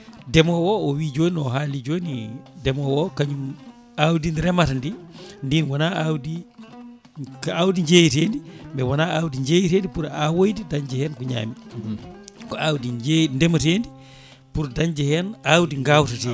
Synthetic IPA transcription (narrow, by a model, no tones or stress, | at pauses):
dɛmɔwɔɔwiːd͡ʒoːniɔɦaːlid͡ʒonidɛmɔwɔkaɲum | awdinɾɛmatndindinwɔnaawdi | kawdiɲd͡ʒejiteːndimbɛwɔnaawdiɲd͡ʒeːjiteːndipuɾawojdidaɲd͡ʒɛhɛnkɔɲa̰ːmi | kɔawdid͡ʒendɛmatendi | puɾdaɲd͡ʒɛhɛnawdiŋɡawtate